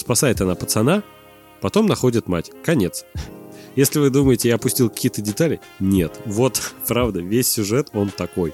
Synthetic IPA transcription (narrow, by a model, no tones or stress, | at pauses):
spɐsajɪt̪ɐnapət̪sɐna | pɐt̪o̞mnɐxo̞dʲɪt̪ma̰tʲkɐnʲe̞t̪sjesʲlʲɪvɨd̪uməjɪtʲɪaɐpʊsʲtʲilˠkɐ̥kʲijət̪ədʲɪt̪alʲɪ | nʲet̪vo̞t̪pɾavd̪əvʲesʲːʊʐɛt̪o̞nt̪ɐko̞j